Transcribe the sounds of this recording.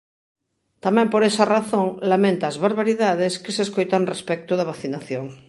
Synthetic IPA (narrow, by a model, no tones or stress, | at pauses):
t̪amɛ̃mpoɾesaraθõŋlamẽnt̪aːzβaɾβaɾiðaðeskeseskojt̪anrespɛk̚t̪uðaβ̞aθinaθjoŋ